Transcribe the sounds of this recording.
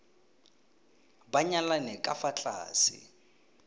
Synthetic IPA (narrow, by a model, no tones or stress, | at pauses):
baɲalanɛkʼafat͡ɬʼa̰ːsɪ̰